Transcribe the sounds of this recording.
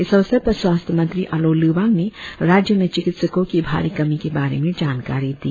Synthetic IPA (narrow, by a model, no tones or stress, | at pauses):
ɪsɐʋsəpɐswaːst̪ʰəmɐ̃nt̪ɾiʔɐloːliːʋãːŋɡnẽɾaːd͡ʒjəmẽt͡ʃɪkɪt̪səkõkibʱa̰ːɾikɐmikebaːɾḛmẽd͡ʒaːnkaːɾid̪iː